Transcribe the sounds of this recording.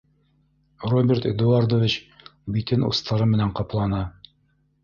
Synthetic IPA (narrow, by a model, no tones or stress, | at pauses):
robʲert̪ḛd̪uard̪ovʲit͡ɕbit̪ɘnṵst̪ʰɑɾɤmɘ̆næɴqɑplˠɑnɤ